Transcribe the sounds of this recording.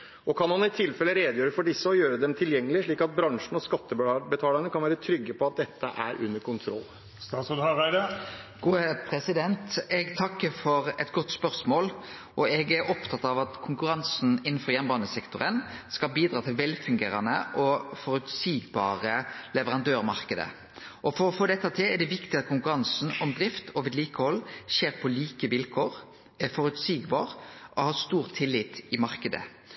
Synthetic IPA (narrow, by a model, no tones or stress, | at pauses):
ɔkʰɑnhɑnɪt̪ʰɪlfɛlːəɾeːd̪jøːɾəfɔɖɪsːəɔjøːɾəd̪ɛmt̪ʰɪljɛŋːəlɪʂɭiːkɑt̪̚bɾɑŋʂɳ̩n̩ɔskɑt̪ːəbət̪ʰɑːləɳəkʰɑnʋæːɾət̪ʰɾʏɡːəpʰɔɑt̪̚d̪ɛt̪ʰːəʔæ̰ɾʔʉ̰nːəɾkʰʊnt̪ʰɾɔ̰lː | st̪ɑːt̪sɔd̪hɑʁæɪd̪ɑɡ̥uːəpʰɾɛsɪd̪ɛnt̪ɛɡt̪ʰɑkːəfɔɾɛt̪ɡɔt̪ːspœɾsmoːl | ʔɔɛɡæɾɔpt̪ʰɑt̪ɑʋɑt̪kʰʊŋkʉɾɑnsn̩ɪnːn̩fɔʁjɛnbɑːnəsɛkt̪ʊʁənskɑlbiːd̪ɾɑːt̪ʰɪlʋɛlfʉŋɡeːɾɑnə̰ʔɔfɔɾʉt̪siːɡbɑ̰ːɾəlɛʋəʁɑnd̪øːɾmɑʁkəd̪ə̰ | ʔɔfɔɾɔfoːd̪ɛt̪ːɑt̪ʰɛɛd̪ɛʋɪkt̪ɪɑt̪̚kʰʊŋkʉɾɑnsn̩ɔmd̪ɾɪft̪ʰɔʋɪd̪liːkəhɔlːʃeːɾpʰɔliːkəʋɪlkʰoːɾ | ɛfɔɾʉt̪siːɡbɑːʁʔɔhɑːst̪uːɾt̪ʰɪlːɪːt̪ɪmɑʁkəd̪ə̰